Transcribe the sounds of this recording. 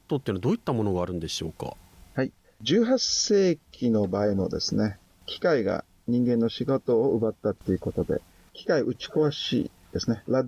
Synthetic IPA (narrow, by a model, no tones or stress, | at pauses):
t̪ːot̪einod̪oːit̪ːamo̞no̞ɡaːɾɯ̟̃nd̪e̞ɕo̞ːka̰hai | d͡ʑɨːɦase̞ːkʲino̞baimo̞̰d̪e̞̰sɨne̞ | kʲʰi̥kaiɡa̰ | ɲ̟ĩŋɡẽ̞nːo̞ɕiɡo̞t̪o̞ːɯ̟bat̪ːat̪ːe̞jɯ̟ko̞t̪o̞d̪e̞̰ | kʲi̥kaiʔɯ̟t͡ɕi̥koβaɕḭː | d̪e̞sɨne̞ɾa